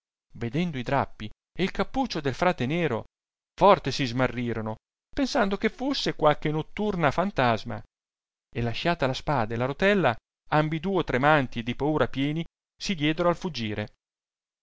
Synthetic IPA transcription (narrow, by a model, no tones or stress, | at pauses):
ved̪ɛnd̪oid̪ɾapːi | eilkapːuːt͡ʃːod̪elfɾaːt̪eneːɾo | fɔrt̪esizmarːiːɾono | pensand̪okefusːekwalkenot̪ːurnafant̪azma̰ | elaʃaːt̪alaspaːd̪alaɾot̪ɛlːa | ambid̪uːot̪ɾemant̪ied̪ipauːɾapjɛːni | sid̪jɛːd̪oɾoalfud͡ʒːiːɾe